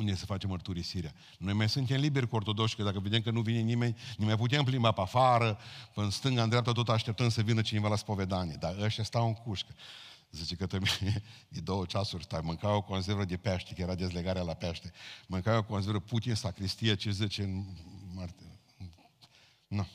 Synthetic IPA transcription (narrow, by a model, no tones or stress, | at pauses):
und̪esəfat͡ʃemərt̪uɾisiɾea | no̞jmajsunt̪e̞mlibe̞rʲkuo̞rt̪o̞d̪o̞kʃkəd̪akəved̪emkənuvinenime̞nʲnimajput̪̬eemplimbapafaɾəpɨnst̪ɨŋɡand̪ɾap̚t̪at̪ot̪aʃt̪e̞p̚t̪ənd̪səvinət͡ʃine̞valaspo̞ve̞d̪aned̪aəʃt̪jast̪awɨŋkuʃkə̥ | zit͡ʃe̞kət̪omd̪ed̪owət͡ʃasurʲd̪amɨŋkavoko̞ns̬eɾvəd̪epaʃt̪ekəjeɾad̪e̞zleɡaɾealapeaʃt̪emɨŋkaveokonseɾəput̪ʲinsakɾist̪ijat͡ʃezet͡ʃenmar | nu